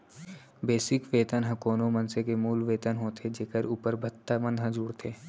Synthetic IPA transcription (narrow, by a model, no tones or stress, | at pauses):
beːsɪkʋeːt̪ənɦɐ̃koːnomɐnsekemuːlʋeːt̪ənɦoːt̪ʰed͡ʒeːkəɾuːpəɾbʱɐt̪ːamə̃nd̪ɦɐ̃zuːɾt̪ʰeː